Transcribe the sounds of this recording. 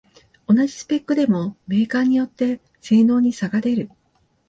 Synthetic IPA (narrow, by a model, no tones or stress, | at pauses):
o̞naʑi̥sɨ̥pe̞kːɯ̟d̪e̞mo̞me̞ːkaːɲ̟ijo̞t̪ːe̞ | se̞ːno̞ːɲ̟isaɡad̪e̞ɾɯ̟